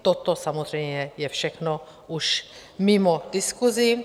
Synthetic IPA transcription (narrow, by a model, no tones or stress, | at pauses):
t̪ot̪osamozrɛjmɲɛjɛfʃɛxno | uʃ | mimod̥ɪskuzi